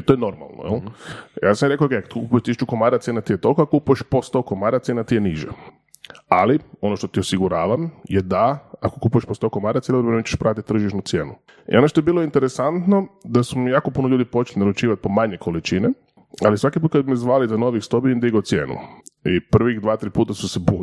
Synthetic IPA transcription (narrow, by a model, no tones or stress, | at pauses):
t̪o̞jeno̞ɾma̰lˠno̰jḛljaːsamjɾekookejkat̪kkupujeʃt̪iʃt͡ʃukomaɾat̪sjenat̪ijet̪o̞lˠkoakokupuje̞ʃpost̪okomaːɾat̪sje̞nat̪ijeniʒḛ | alio̞no̞ʃt̪o̞t̪iosiɡuɾaːʋamjed̪aakokupujeʃpost̪okomaɾat̪sjeldɾbɾemt͡ʃeʃpɾʔat̪it̪ːr̩ʒiʃnut̪sje̞ːnu | ḭo̞noʃt̪ojebiːlˠoint̪eɾesant̪no̞d̪asumijaːko̞punoʎuːd̪ipo̞t͡ʃelinaɾut͡ʃiːʋat̪̚pomaɲekʰolit͡ʃine | alisʋakipuːt̪kad̪bimiezʋaːlizano̞ʋixst̪obiend̪iɡot̪sjḛːnṵipr̩ʋixd̪ʋaːt̪ɾiːpuːt̪asusebu